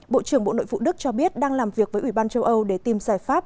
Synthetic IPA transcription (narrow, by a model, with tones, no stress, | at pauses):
ɓo̰˧˨t͡ɕɨ˧˩əŋɓo̰˧˨no̰˧˨jfṵ˧˨ɗɨ˦˥k̚t͡ɕɔ˧ɓi˦˥ət̚ɗaː˧ŋlaː˨˩mvi˨˩ək̚vəː˨˦ʔwi˧˩ɓaː˧nt͡ɕə˧wʔə˧wɗe˧˩t̪i˨˩mzaː˧˩jfaː˦˥p̚